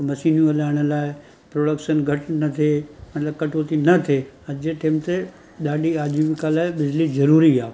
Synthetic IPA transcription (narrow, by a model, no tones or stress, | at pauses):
mɐsiːnjũɐlaːɪɽ̃ə̆laːɪ | pɾoːɽəkʃənɡʱɐʈʰnɐt̪ʰemɐt̪ləb̚kɐʈʰoːt̪inɐt̪ʰe | ɐd͡ʑeʈeːmt̪e | ɗaːɗiaːd͡ʑiʋɪkalaːɪɓɪd͡ʑlizɐɾuːɾiaː